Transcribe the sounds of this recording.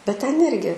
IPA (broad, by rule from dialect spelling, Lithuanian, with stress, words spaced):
bʲɛt tʲɛn ˈɪrʲɡʲɪ